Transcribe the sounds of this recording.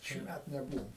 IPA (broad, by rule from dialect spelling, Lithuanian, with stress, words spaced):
ʃʲiːˈmʲæt nʲɛˈbuːʋoːm